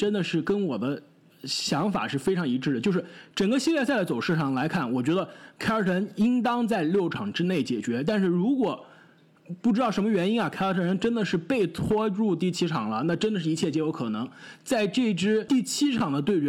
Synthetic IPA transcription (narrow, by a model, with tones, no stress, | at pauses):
ʈ͡ʂə˥nd̪ə˨ʂɻ̩˥˩kə˥nwɔ˨˩d̪ə˦ | ɕjɑ˧˥ŋfa̰˨˩ʂɻ̩˥˩fe˥ɪʈ͡ʂʰɑ˧˥ŋi˧˥ʈ͡ʂɻ̩˥˩d̪ə˩t͡ɕjo˥˧ʊʂɻ̩˥˩ʈ͡ʂə˨˩ŋɡə˦ɕi˥ljɛ˥˧t͡sa˥˩ɪə˩t͡so˨˩ʊʂɻ̩˥˧ʂɑ˥˩ŋla˧˥ɪkʰa˥˩nwɔ˨˩t͡ɕɥɛ˧˥d̪ə˧kʰa˥ɪə˧˥t̪ʰə˧˥ni˥ŋt̪ɑ˥ŋt͡sa˥˧ɪljo˥˩ʊʈ͡ʂʰɑ˨˩ŋʈ͡ʂɻ̩˥ne˥˩ɪt͡ɕjɛ˨˩t͡ɕɥɛ˧˥t̪a˥˧nʂɻ̩˥˩ɻu˧˥kwɔ˨˩ | pu˥˩ʈ͡ʂɻ̩˥t̪ɑ˥˩ʊʂə˧˥mə˧ɥɛ˧˥ni˥nɐ˨˩kʰa˥ɪə˞˧˥t̪ʰə˧˥nə˧˥nʈ͡ʂə˥nd̪ə˨ʂɻ̩˥˧pe˥˩ɪt̪ʰwɔ˥ɻu˥˧t̪̬i˥˩t͡ɕʰi˥ʈ͡ʂʰɑ˨˩ŋlə˦na˥˩ʈ͡ʂə˥nd̪ə˨ʂɻ̩˥˩i˧˥t͡ɕʰjɛ˥˩t͡ɕjɛ˧˥jo˧˥ʊkʰɤ˨˩nɤ˧˥ŋt͡sa˥˧ɪʈ͡ʂɤ˥˩i˧˥ʈ͡ʂɻ̩˥t̪i˥˩t͡ɕʰi˥ʈ͡ʂʰɑ˨˩ŋd̪ə˦t̪we˥˩ɪt͡ɕɥ